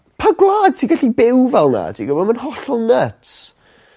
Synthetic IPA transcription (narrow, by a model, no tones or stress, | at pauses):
pʰaɡlˠaːd̥sʰiɡaɬibɪwvɛlˠna̰dʰiɡəvɔdmanhɔɬɔlˠnət